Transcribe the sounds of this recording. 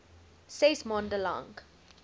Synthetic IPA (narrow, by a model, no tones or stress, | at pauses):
sɛsmɔ̃ndəlɔ̰̃ŋɡ